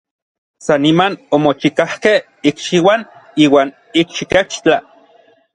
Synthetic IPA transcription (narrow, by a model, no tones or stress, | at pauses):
sanimanomot͡ʃikahkeh | ikʃiwaniːwaːn | ikʃiket͡ʃt͡ɬa